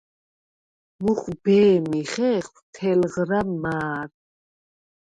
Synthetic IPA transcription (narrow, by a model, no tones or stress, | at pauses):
muχbɛːmiχɛχwt̪ʰɛlʁɾamaːɾ